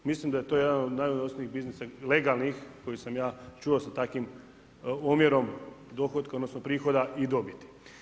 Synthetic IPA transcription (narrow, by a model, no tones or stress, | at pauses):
mislimd̪aje̞t̪oːjed̪anod̪najunosniiɣbiznisale̞ɡalˠnixko̞jisamjaːt͡ʃuosat̪akʋim | omjeɾo̞md̪o̞xod̪kaod̪nosnopɾiːxo̞d̪aid̪o̞bit̪i̥